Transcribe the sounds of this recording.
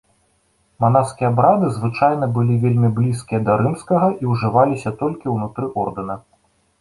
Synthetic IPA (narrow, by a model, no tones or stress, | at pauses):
man̪askʲijɛɐabɾad̪ɨzvɨt͡ʂajnɐbɨlʲivʲelʲmʲiblʲiskʲijɐd̪ɐɾɨmskɐɣɐʔiwʐɨvalʲisʲɐt̪ɔlʲkʲiwnut̪ɾɨʔɔrd̪ɨnɐ